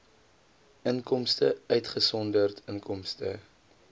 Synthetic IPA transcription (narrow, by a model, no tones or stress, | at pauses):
əŋkɔmstəœɥtχəsɔndərtʰəŋkʰɔmstə